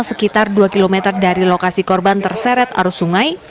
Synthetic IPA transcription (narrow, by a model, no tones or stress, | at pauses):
səkit̪arduakilomɛt̪ərdaɾilokasikɔrbant̪ərsɛɾɛt̪a̰ɾusuŋaj